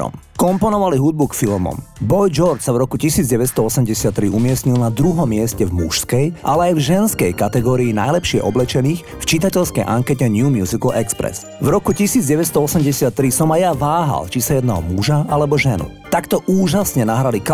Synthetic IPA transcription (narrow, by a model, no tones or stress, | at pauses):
ɔ̰mkɔmpɔnɔʋaliɦud̪̚bukfilmɔ̰mbɔjd͡ʒɔɾt͡ʃsavɾɔkucisiːd͡zɟɛʋɛst̪ɔɔsɛmɟɛsɪat̪ːɾiumɪɛsɲilnad̪ɾuɦɔmːɪɛscɛvmṵʃskɛjʔalɛajvʒɛnskɛjkat̪ɛɡɔːɾiina̰jlɛpʃɪɛ̰ʔɔblɛt͡ʃɛniːx | ft͡ʃit̪acɛʎskɛjʔaŋkɛcɛɲumjuzikl̩ɛkspɾɛ̰s | vɾɔkucisiːd͡zɟɛʋɛst̪ɔɔsɛmɟɛsɪat̪ːɾisɔmajaʋaːɦa̰lt͡ʃisajɛd̪naɦɔmuʒaalɛbɔʒɛnṵ | t̪akt̪ɔʔuːʒasɲɛnaɦɾalik